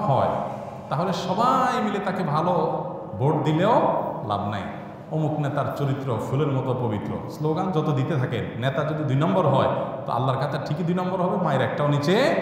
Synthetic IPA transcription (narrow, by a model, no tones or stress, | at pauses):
ɦɔe | t̪aɦoleʃɔbajmilet̪akebʱalo | boʈ̚d̪ileola̰bna̰j | omuknet̪aɾt͡ɕoɾit̪ːɾofʰuleɾmɔt̪opobit̪ːɾo̰sloɡand͡ʑɔt̪od̪it̪et̪ʰakḛnːet̪ad͡ʑod̪id̪ujnɔmboɾɦɔet̪o̰ʔa̰lːaɾkat̪ʰaʈʰikid̪ujnɔmboɾɦɔbemaeɾɛk̚ʈaonit͡ɕe